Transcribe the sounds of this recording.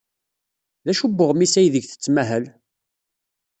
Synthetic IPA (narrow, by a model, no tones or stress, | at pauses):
ðæʃubːʊʁmisæjðəʝθə̥t͡sːmæɦəl